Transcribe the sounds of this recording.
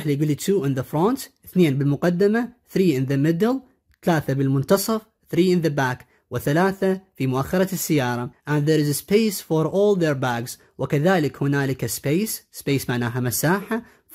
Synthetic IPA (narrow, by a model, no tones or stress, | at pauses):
ħliɡʊlːit̪ʰuːʔɪ̃nðəfɾont̪θneːnbɪlmʊqad̪ːɪmaθɾiːʔɪnðəmɪd̪əl | θalaːθabɪlmʊnt̪ɑsˤɑf | θɾiːʔɪnðəbaːk | wɪθalaːθafimʊʔaxːɑɾˤɑsːɪjːɑːɾˤɑʔãnd̪ðeːɾɪzspeːsfoɾˤʔoːlðeɾbaɡz | wɪkaðaːlɪkhʊnaːlɪkaspeːsspeːsmaʕnaːɦamasaːħa